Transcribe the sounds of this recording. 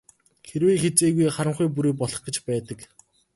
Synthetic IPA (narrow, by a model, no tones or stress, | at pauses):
xeɾweːxet͡seːɣujχaɾə̆mχujp̬uɾeːpɔɮɞ̆χɡə̆t͡ɕpæːt̪ə̆k